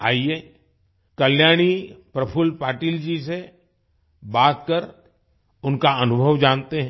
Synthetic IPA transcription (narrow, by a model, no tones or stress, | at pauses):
aːie | kɐljaːɽ̃ipɾɐpʰʊlpaːʈiːld͡ʒise | baːt̪̚kɐɾ | ʊnkaɐnʊbʱəʋd͡ʒãːnt̪eɦɛ̃